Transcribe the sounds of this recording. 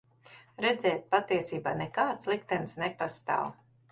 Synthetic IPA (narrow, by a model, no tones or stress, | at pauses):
ɾɛd̪zɛːt̪̚pat̪iɛsiːbaːnekaːt̪slˠikt̪ɛnsnepast̪a̰ːw